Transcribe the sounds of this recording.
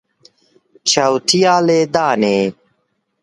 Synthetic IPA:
t͡ɕʰawt̪ʰijaːleːd̪aːneː

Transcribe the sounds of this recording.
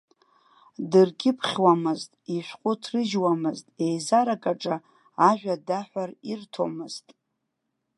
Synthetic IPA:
dɨrɡʲɪpʰχʲwamɨztʼiʃʷᶣqʷʼʊtʰrɨʒwamɨztʼe̞jzaɾakʼaʈ͡ʂʼa | aʒᶣʷadaħʷarirtʰo̞̰mɨztʼ

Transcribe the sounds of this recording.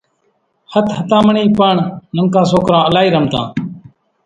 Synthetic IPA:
hət̪hət̪ãːməɳiːpəɳnəŋkãːsoːkɾãːəlaːiːɾəmt̪ã̰ː

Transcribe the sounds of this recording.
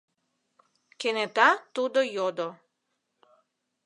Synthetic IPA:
kenɛt̪at̪ud̪ojɔd̪ɔ

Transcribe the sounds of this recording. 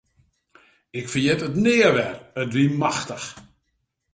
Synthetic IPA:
ɪkfərjɛtətnɪəʋɛrətʋimaxtəx

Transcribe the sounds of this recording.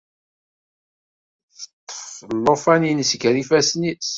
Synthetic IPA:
θət̪ˤːə̥flːofæninsɡɾifæsnis

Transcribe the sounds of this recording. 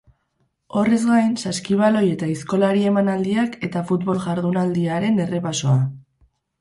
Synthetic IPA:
o̞re̞zɡajnsaskiβ̞alo̞je̞t̪aisko̞laɾie̞manald̪iake̞t̪afut̪βo̞lʝaɾðunald̪iaɾe̞ne̞re̞paso̞a

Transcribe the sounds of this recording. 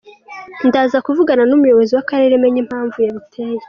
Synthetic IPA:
ndaːzakuvuɡananumujo̞βo̞ziwakaɾe̞ɾeme̞ɲem̥haːɱvujaβitʰeːje

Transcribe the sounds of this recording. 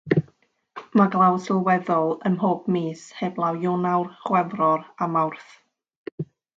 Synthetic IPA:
maɡlˠawsɪlˠwɛðɔlˠənɦoːb̥miːsheblˠawjʊnawrχwɛvrɔramawrθ

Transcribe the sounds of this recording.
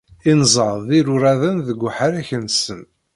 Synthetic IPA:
inzˤəɾðiɾʊɾæðənðəɡʷːħəɾæçənsən

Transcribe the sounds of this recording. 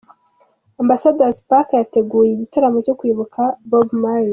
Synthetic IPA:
ambasadazpakjate̞ɡuːjeːɟitaɾamo̞co̞kwiːβukʰabobmaɾi

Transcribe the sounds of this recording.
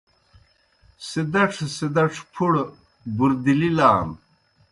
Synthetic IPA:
sed̪ɐʈ͡ʂʰsed̪ɐʈ͡ʂʰpʰuɽ | buɾd̪ililaːm

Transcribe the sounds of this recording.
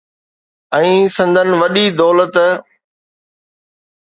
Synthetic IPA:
ɛ̃ːsɐ̃nd̪ʱənɪ̆ʋɐɗid̪ɔːlət̪

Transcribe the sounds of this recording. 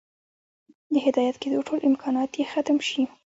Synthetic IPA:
d̪əɦɪd̪ɑjat̪ked̪oʈʰolʔɪmkʰɑnɑt̪jexat̪əmʃi

